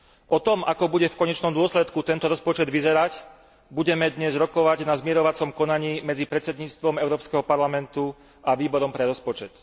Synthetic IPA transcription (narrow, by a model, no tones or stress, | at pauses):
ʔɔt̪ɔmʔakɔbuɟɛfkɔɲɛt͡ʃnɔmd̪ʊɔslɛt̪kut̪ɛnt̪ɔɾɔspɔt͡ʃɛd̪ʋizɛɾac | buɟɛmɛd̪ɲɛzɾɔkɔʋaɟnazmɪɛɾɔʋat͡sɔmkɔnaɲiːmɛd͡zipɾɛt͡sɛd̪ɲiːt͡st̪ʋɔmɛʊɾɔːpskɛɦɔpaɾlamɛnt̪u | aʋiːbɔɾɔmpɾɛɾɔspɔt͡ʃɛt̪